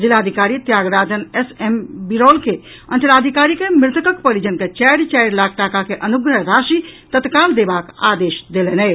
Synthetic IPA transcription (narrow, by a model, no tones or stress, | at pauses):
d͡ʒilad̪ʱikaɾit̪jaɡɾad͡ʒənesembiɾɔlke | ə̰nt̪lad̪ʱikaɾikemɾɪt̪əkəkpəlid͡ʒənket͡ʃɛjɾt͡ʃɛjɾlaɡ̚ʈakakeʔənuɡɾəɦɾaʃit̪ət̪kald̪ebaka̰d̪eʃd̪elenɛ